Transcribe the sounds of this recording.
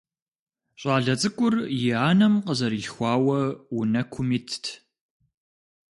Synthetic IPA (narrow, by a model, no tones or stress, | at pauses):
ɕʼaːɮɐt͡sʼɨkʷʼʊrjɪaːnɐmqəzɐɾiːɬxʷaːwɐwʊnɐkʷʰʊmiːtʰtʰ